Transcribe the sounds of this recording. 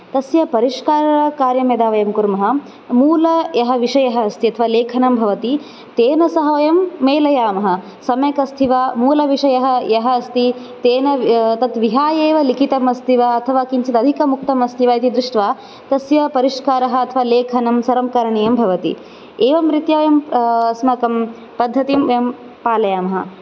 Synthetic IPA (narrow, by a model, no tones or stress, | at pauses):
t̪ɐsjɐpɐɾiʂkaːɾɐɾɐkaːɾjɐmeːd̪aːʋɐjɐmkuɾmɐɦɐ̆ | muːlɐjɐɦɐ̆ʋiʂɐjɐɦɐːst̪iɐt̪ʰɐʋaːleːkʰɐnɐmbʱɐʋɐt̪i | t̪eːnɐsɐɦɐʋɐjɐmːeːlɐjaːmɐɦɐ̆ | sɐmjɐkɐst̪ʰiʋaːmuːlɐʋiʂɐjɐɦɐ̆jɐɦɐːst̪i | t̪eːnɐt̪ɐt̪ʋiɦaːjeːʋɐlikʰit̪ɐmɐst̪ʰiʋaɐt̪ʰɐʋaːkinsid̪ɐd̪ʱikɐmuk̚t̪ɐmɐst̪ʰiʋaːit̪id̪ɾuʂʈʋaː | t̪ɐsjɐpɐɾiʂkaːɾɐɦɐ̆ɐt̪ʰɐʋaːleːkʰɐnɐmsɐɾɐmkɐɾɐɳejɐmbʱɐʋɐt̪ḭ | eːʋɐmɾit̪jaːjɐmɐsmɐkɐm | pɐd̪ʱːɐt̪imɐjɐm | paːlɐjaːmɐɦɐ̰̆